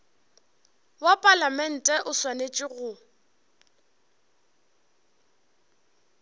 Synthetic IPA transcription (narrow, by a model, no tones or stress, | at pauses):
wapʼalamɛn̩tʼɛʔʊswanet͡ʃʼɪɣʊ